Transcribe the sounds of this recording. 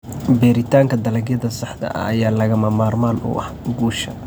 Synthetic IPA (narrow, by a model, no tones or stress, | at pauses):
bɛːɾɪt̪ʰaːŋkʰɐd̪ɐlɐɡjɐðɐsɐħd̪ɐ̰ʔɐ̰ɐjaːlɐɣɐmɐmaːrmaːnʔʊ̰ʔɐ̰hɡuːʃɐ